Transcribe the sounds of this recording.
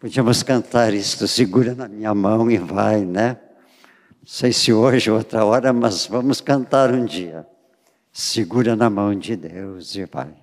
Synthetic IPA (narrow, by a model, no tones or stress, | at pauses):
pod͡ʒiɐ̃mʊskɐ̃nt̪aɾist̪ʊsɪɡuɾɐnɐmĩɲɐmɐ̃w̃ɪvajnɛ | sejsɪoʒɪowt̪ɾɐɔɾɐmɐzvɐ̃mʊskɐ̃nt̪aɾũd͡ʒiɐ̰ | sɪɡuɾɐnɐmɐ̃w̃d͡ʒɪd̪ewzɪva̰j